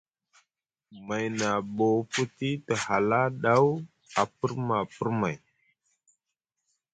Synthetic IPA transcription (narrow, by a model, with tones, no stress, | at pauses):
ma˨jna˨bo˨fu˦ti˦tə˨ha˨la˦ɗa˦w | a˨pə˦ɾma˨pə˦ɾma˨j